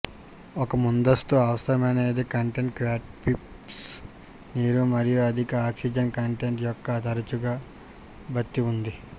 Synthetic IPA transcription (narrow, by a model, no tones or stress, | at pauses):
ɔkɐmund̪ɐst̪uɐʋɐsɐɾɐmɐneːd̪ekɐɳʈeɳʈkʋaːʈ̚pip | s | niːɾumɐɾijuɐd̪ʱikɐaːksid͡ʒɐnkɐɳʈeɳʈjɔkːɐt̪ɐɾɐt͡ʃuɡaː | bɐt̪ːiund̪i